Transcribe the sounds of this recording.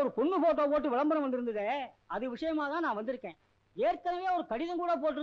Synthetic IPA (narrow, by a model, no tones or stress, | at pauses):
ɔɾɯpɔɳːɯpoːʈ̬ːõːpoːʈ̬ːɯʋɪɭɐmbɐnɐ̃ʋɐnd̪ɪɾɯnd̪ɯðe | ɐðɯʋɪʂɐjɐmaːt̪ãːnãːʋɐnd̪ɪɾɯkːẽː | eːɾkɐnɐʋeːɔɾɯkɐɽɪðɐ̃ŋkuːɽɐp̬oːʈːɯɾ